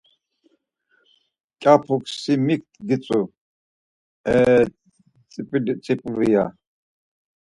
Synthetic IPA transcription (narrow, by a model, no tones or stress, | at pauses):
kʲʼapʰukʼsimik̚t̪ʰʼɡit͡sʼu | ɛ | t͡sʼpʼt͡sʼipʼɾija